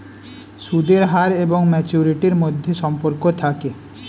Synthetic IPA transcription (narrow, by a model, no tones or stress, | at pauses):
ʃud̪eɾɦaɾeboŋmɛt͡ɕuɾiʈiɾmod̪ʱːeʃɔmpoɾkot̪ʰake